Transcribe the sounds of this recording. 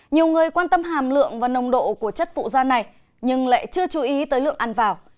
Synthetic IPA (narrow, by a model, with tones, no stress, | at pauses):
ɲi˨˩əwŋɨ˨˩əjkwaː˧nt̪ə˧mɦaː˨˩mlɨ̰˧˨əŋvaː˨˩nə˧wŋ͡mɗo̰˧˨ku˧˩ət͡ɕə˦˥t̚fṵ˧˨zaː˧na˨˩j | ɲɨ˧ŋla̰ː˧˨jt͡ɕɨ˧ət͡ɕu˨˦ʔi˨˦t̪əː˨˦jlɨ̰˧˨əŋʔa˧˩nvaː˨˩w